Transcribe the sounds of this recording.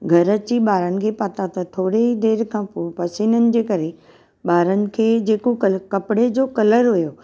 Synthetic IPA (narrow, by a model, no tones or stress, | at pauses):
ɡʱɐɾət͡ɕiɓaːɾənɪ̆kʰeːpɐt̪at̪ɐt̪ʰoːɽeid̪eːɾkʰãːpopɐsiːnənɪ̆d͡ʑeːkɐɾe | ɓaːɾənɪ̆kʰeːd͡ʑeːkokkɐpɪɽed͡ʑoːkɐləɾɦujoː